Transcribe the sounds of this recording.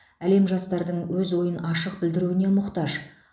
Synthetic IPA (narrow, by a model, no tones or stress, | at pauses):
æle̞mʒɑst̪ɑɾd̪əɴwɵzwo̞jənɑʃəq̚bɪld̪ɪɾuwɪne̞mʊqt̪ɑʒ